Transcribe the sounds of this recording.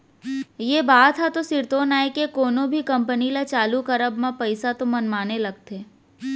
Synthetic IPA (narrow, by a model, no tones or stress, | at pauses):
jeːbaːt̪ɦat̪osɪɾt̪oːnaːekekoːnõbʱikɐ̃mpənilat͡ʃaːlukɐɾəbmãpɐɪsat̪omɐnmaːnelɐɡ̚t̪eː